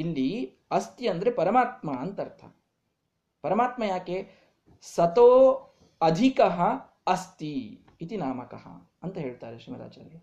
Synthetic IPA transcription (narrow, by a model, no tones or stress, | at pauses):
ilːi | ɐst̪iɐnd̪ɐɾepɐɾɐmaːt̪mɐːnt̪ɐɾt̪ʰɐ̰ | pɐɾɐmaːt̪mɐjaːkeː | sɐt̪oː | ɐd̪ʱikɐɦɐ | ɐst̪iː | t̪inaːmɐkɐ̰ɦɐ̰ | ɐnt̪ɐɦeːɭt̪aːɾeʃɾimɐɾa̰ːd͡ʒa̰ːɾeː